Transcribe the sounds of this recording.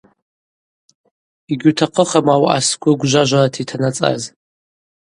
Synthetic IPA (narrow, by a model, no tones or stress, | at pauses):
iɡʲutʰaqʰəχamawaʔa̰skʷʊɡʷʒʷaʒʷaratʰitʰanat͡sʼa̰z